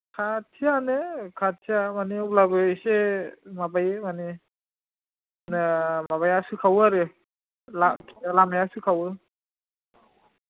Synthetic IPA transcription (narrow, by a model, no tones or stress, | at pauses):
kʰatʰijanɯkʰatʰːijamaniulabɯsemabajemani | nɯmaβajasɯkʰawaɾɯ | lakʰialamajasɯkʰawɯ